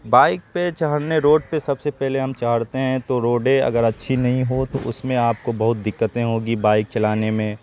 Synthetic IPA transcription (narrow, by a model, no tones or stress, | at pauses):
baːɪk̚pet͡ʃaɦəɽneɾoːɖ̚pesɐbsepɛɦleɦɐmt͡ʃaɦəɽt̪eɦɛ̃t̪oɾoːɖẽɐ̰ɡəɾɐtːʃʰinɐɦĩɦot̪o̰ʔʊ̰smẽaːpkobɐɦʊt̪̚d̪ɪkːət̪ẽɦoːɡibaːɪk̚t͡ʃɐlaːnemẽː